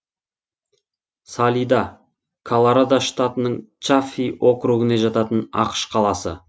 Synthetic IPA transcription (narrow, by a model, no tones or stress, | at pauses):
sɑlʲijd̪ɑ | kʰolˠaɾad̪aʃt̪at̪ənəɴt͡ʃafijwʔo̞kɾuɡəneʒɑt̪ɑt̪ənɑ̰qə̥ʃqʰɑlˠɑsə̰